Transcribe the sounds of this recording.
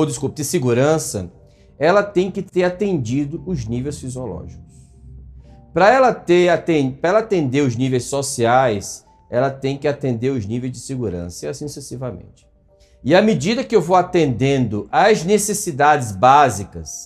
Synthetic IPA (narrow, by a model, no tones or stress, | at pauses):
od̪ɪskup̚dɪseɡuɾɐ̃sɐ̰ | ɛlɐt̪ẽj̃kɪt̪eɾat̪ẽnd͡ʒid̪ʊʊznivejsfiziolɔ̰ʒikʊ̥s | pɾɐɛlɐt̪eɾt̪ẽpɾɐɛlɐat̪ẽnd̪eɾʊznivejssosiajs | ɛlɐt̪ẽj̃kɪat̪ẽnd̪eɾʊznivejzd͡ʒɪseɡuɾɐ̰̃sɐiasĩsesivɐmḛ̃nt͡ʃɪ̥ | ɪɐmɪd͡ʒid̪ɐkɪewvowat̪ẽnd̪ẽnd̪ʊʔɐznesesid̪ad͡ʒɪzbazikɐs